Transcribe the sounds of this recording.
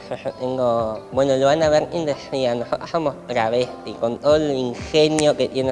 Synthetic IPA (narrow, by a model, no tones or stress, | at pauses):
eht̪eŋɡobwenoloβanaβeɾind̪eianoħot̪asomohɾaβesikont̪oliŋxenjoket̪jene